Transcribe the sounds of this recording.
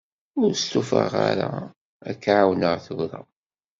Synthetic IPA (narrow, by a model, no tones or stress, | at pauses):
ʊɾst̪ufəʁaɾa | ækːʕawnəʁθəɡɾˤɑ